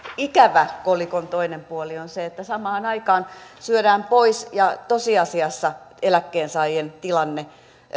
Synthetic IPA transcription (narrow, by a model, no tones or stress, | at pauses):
ikæʋækolikont̪oinempuolionseet̪ːæsɑmɑːnɑikɑːnsyødæːmpoisjɑt̪osiɑsiɑsːɑelækːeːnsɑːijent̪ilɑnːe